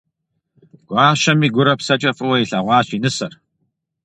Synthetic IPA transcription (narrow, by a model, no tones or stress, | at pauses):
ɡ̥ʷɑːʃɐmiːɡʷʊɾɐpsɐt͡ʃʼɐfʼɨwɐjiɬɐʁʷɑːɕiːnɨsɐr